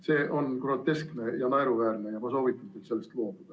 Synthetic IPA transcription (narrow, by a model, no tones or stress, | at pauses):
se̞ːʔo̞nkro̞t̪ːe̞skne̞jɑnɑeɾuvæːrne̞jɑpɑso̞ːvit̪ːˑut̪elt̪selːe̞st̪lo̞ːd̪ud̥ɑ